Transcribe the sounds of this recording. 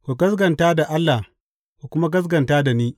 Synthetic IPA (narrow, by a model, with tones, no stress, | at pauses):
kʷu˨ɡɐ˦sɡɐ˨ntaː˦da˨ʔa˦lːa˨ | kʷu˨kʷʊ˦ma˦ɡɐ˦s̬ɡɐ˨ntaː˦da˨niː˦